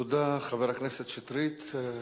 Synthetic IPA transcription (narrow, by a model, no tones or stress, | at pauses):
ud̪aχaveɾakneset̪ʃet̪ɾit̪